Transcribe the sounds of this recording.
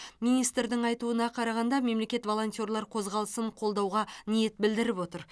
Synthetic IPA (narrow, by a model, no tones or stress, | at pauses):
mijnijst̪ɾd̪ɪɴɑjt̪uənɑqʰɑɾɑʁɑnd̪ɑme̞mle̞kʲe̞t̪vo̞lˠo̞nt̪ʲjo̞ɾlˠɑɾqʰo̞zʁɑlˠəsəɴqʰo̞lˠd̪ɑwʁɑnije̞t̪̚bɪld̪ɪɾɪpwo̞t̪əɾ